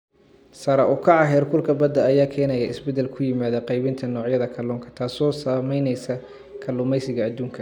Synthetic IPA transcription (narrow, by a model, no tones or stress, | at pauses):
sɐɾɐʔʊkʰɑʕɑɦɛːrkʰʊlkʰɐbɐd̪ɐɐjaːkʰɛːnɐjɐʔɪsbɛd̪ɛlkʰʊjɪmaːðɐqɑjβɪnt̪ʰɐnɔːʕjɐðɐkʰɐluːŋkʰɐ̥t̪ʰaːsɔːsaːmɛjnɛjsɐ | kʰɐlʊːmɛjsɪɣɐːd̪uːŋkʰɐ